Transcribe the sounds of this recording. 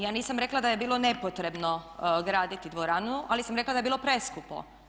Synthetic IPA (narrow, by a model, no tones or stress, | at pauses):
jaːniːsamɾe̞klˠad̪aje̞biːlˠone̞pot̪ɾe̞bnoɡɾaːd̪it̪id̪ʋoɾanualisamɾeklˠad̪aje̞biːlopɾeskuplo̰